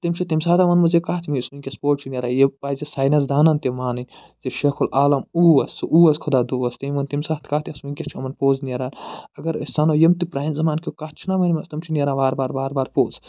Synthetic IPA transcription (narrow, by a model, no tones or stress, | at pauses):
t̪imt͡ʃʰit̪imsaːt̪ɐmɐnmɐzekaːt̪ʰimiismɐnʲkʲɐspoːt͡ʃʰinʲeɾaːjepaːzesaːjnɐzd̪aːnɐnt̪imaːnɨnʲ | ziʃekʰulaːlɐmuːɐsʔuːɐskʰod̪aːd̪uːɐst̪imɐnt̪imsaːt̪ʰkaːt̪iɐsmɐnʲkʲɐt͡ʃʰiɐmɐnpoːznieɾaːnɐɡɐɾɐ̰sanojɐmt̪ipɾaːjnzɐmaːnkʲikaːt͡ʃʰinamɐnʲmɐst̪ɐmt͡ʃʰinʲeɾaːnaːɾbaːɾbaːɾbaːɾpoːz